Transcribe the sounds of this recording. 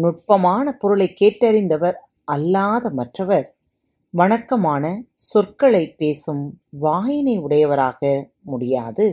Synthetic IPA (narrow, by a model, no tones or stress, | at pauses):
nʊʈ̚pɐmaːnɐpɔɾɯɭɐɪkːeːʈːɐɾɪnd̪ɐʋɐɾ | ɐlːaːðɐmɐʈrɐʋɐɾ | ʋɐɳɐkːɐmaːnɐsʊrkɐɭɐɪpːeːsɯmʋaːjɪnɐɪʊɽɐjɐʋɐɾaːɣɐ | mʊɽɪjaːðɯ